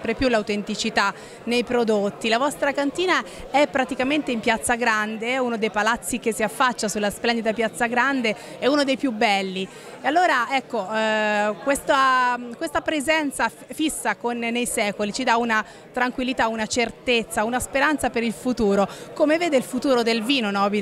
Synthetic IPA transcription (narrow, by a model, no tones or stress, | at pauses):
pɾepjulawt̪ent̪it͡ʃit̪a | nejpɾod̪ot̪ːilavɔst̪ɾakant̪iːnaɛpːɾat̪ikament̪eimpjat̪sːaɡɾand̪eɛunod̪ejpalat̪sːikesːiafːat͡ʃːasulːasplɛnd̪id̪apjat̪sːaɡɾand̪e | ɛunod̪ejpjubːɛlːi | ealːoːɾaɛkːo | kwest̪akwest̪apɾezɛnt̪sa | fisːakonːejsɛːkolit͡ʃid̪auna | t̪ɾaŋkwilːit̪aunat͡ʃert̪et̪sːaunaspeɾant̪sapeɾilfut̪uːɾokomeveːd̪eilfut̪uːɾod̪elviːnonɔbi